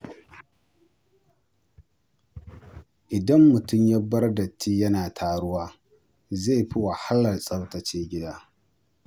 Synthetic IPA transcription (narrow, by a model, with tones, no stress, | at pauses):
ʔɪ˨dɐ˦mːʊ˨tʊ˦˨mja˦bɐ˦rdɐ˨tʰːiː˦jɐ˦naː˨tʰaː˨ɽʊ˦waː˦ | ze˦˨ɸi˦wɐ˨ha˦lːɐ˨rsʼɐ˦wtɐ˨t͡ʃeː˦ɡʲɪ˦daː˦